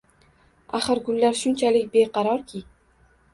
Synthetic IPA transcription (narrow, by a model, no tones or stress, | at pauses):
aχɨɾɡʊlːaɾʃʊnt͡ʃʰalɪkʲbeqʰɑɾɒɾkʲʰɪ